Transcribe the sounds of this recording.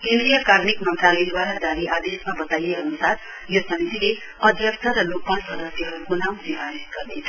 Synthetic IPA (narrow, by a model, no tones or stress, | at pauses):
kẽnd̪rijʌkarnikmʌnt̪ralʌjd̪waɾad̪aɾiʔad̪esmabʌt̪ajeʌnusad | josʌmit̪ile | ʌd̪ʱjʌksʰʌɾʌlok̚pʌnsʌd̪ʌsjʌɦʌɾukonamnibʱaɾit̪̚ɡ̥ʌrnet͡sʰʌ